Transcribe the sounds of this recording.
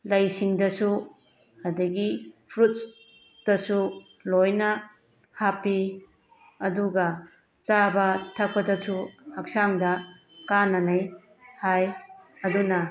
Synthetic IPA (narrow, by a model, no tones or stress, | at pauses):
lɐjsiŋdɐsu | ɐdɐɡipʰɾut̚s | d̥ɐsu | lojnɐ | hapi | ɐduɡɐ | t͡ʃabɐtʰɐk̚pɐdɐsuhɐk̚saŋdɐ | kanɐnɐj | hajɐdunɐ